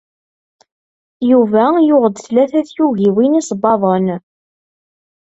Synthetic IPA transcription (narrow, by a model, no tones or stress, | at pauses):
juvæjʊʁəd̪θlæθæθjuɣiwinisˤbɑðˤən